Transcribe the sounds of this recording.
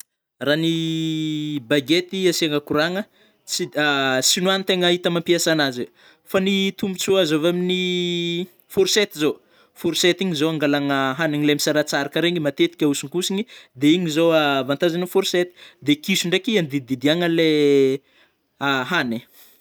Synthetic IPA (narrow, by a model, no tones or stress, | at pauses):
rani | baɡet̪iasaŋəkuɾaŋə | t͡siasinuanit̪eŋəit̪əmampiasanaze | fanit̪umit͡suazovamini | fuɾset̪izo | fuɾset̪iɲizowaŋɡalaŋəɦanaɲilemisaɾat͡saɾakəɾeɲimat̪et̪i̥kʲausuŋkusiɲid̪eiɲizowavant̪azanfuɾset̪i̥d̪ekisuɳɖ͡ʐekiand̪id̪id̪iaŋəle | aɦane